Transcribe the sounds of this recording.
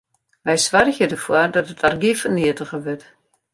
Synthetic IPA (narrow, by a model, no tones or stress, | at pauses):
ʋɛjsʋarxjədəfwɔrdɔtətʰarɡifəniətəɣəʋɪt